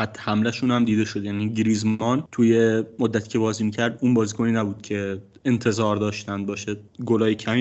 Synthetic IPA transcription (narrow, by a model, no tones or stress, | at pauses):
æt̪ʰːhæmlæʃuːnhæmd̪iːd̪e̞ʃod̪jæːniːɟiɾiːzmɒːnt̪ʰujemod̪ːæt̪ʰiːcʰʲe̞bɒːziːmiːcʰæɾd̪uːnbɒːziːkʰoniːnæbuːd̪̥̚cʰe̞ | ent̪ʰe̞zɒːɾd̪ɒːʃt̪ænd̪̚bɒːʃedɡolɒːjecʰæm